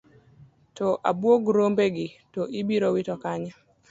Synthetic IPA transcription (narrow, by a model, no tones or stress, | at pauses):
tɔʔa̰bwoɡɾombeɡɪtoʔibiɾowitɔkaɲa